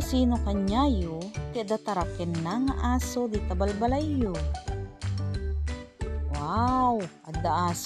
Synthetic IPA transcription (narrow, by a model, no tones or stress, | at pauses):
siːnokaɲajok̪ɛd̪at̪aɾakɪnːaŋaʔaːsod̪it̪abalbalajːo | wawʔad̪aʔaːs